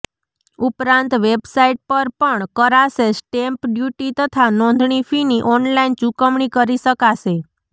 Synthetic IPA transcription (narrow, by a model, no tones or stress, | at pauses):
upɾãnt̪ʋebsaiʈ̚pəɾpəɳkəɾasesʈempɖjuʈit̪ət̪ʰanɔ̃nd̪ʱɳifiniʔɔnlaint͡ʃukəmɳikəɾiʃəkaʃe